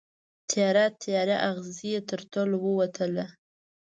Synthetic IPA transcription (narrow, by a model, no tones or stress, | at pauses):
t̪ʰjɑɾat̪ʰjɑɾaʔaɣzijet̪əɾt̪olowəwat̪ʰəla